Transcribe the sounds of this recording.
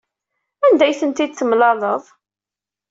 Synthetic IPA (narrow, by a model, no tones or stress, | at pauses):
ænd̪æjθənt̪id̪̚θəmlɑləðˤ